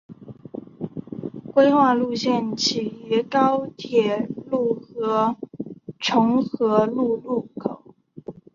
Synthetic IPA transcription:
kwe˥ɪxwa˥˧lu˥˧ɕjɛ˥˩nt͡ɕʰi˨˩y˧˥kɑ˥ʊt̪ʰjɛ˨˩lu˥˩xɤ˧˥ | ʈ͡ʂʰʊ˧˥ŋxɤ˧˥lu˥˧lu˥˩kʰo˨˩˦ʊ

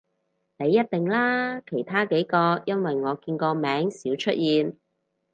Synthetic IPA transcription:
ne˨˧jːɐ˥t̚t̪ɪ˨ŋlaː˥kʰe˨˩jt̪ʰaː˥ke˨˥jkɔː˧jɐ˥nwɐ˨jŋɔː˨˧kiː˧nkɔː˧mɛː˨˥ŋsiː˨˥wt͡ʃʰɵ˥t̚jiː˧n

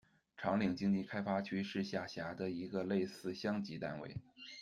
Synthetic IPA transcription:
ʈ͡ʂʰɑ˧˥ŋli˨˩ŋt͡ɕi˥ŋt͡ɕi˥˩kʰa˥ɪfa˥t͡ɕʰy˥ʂɻ̩˥˧ɕja˥˩ɕja˧˥d̪ə˧i˧˥ɡə˧le˥˧ɪsɹ̩˥˧ɕjɑ˥ŋt͡ɕi˧˥t̪a̰˥˧nwḛ˥˩ɪ

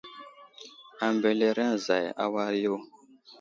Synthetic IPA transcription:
a˨mbe˨le˦ɾa˦˨za˨ja̰˦wa˦ɾjo˦

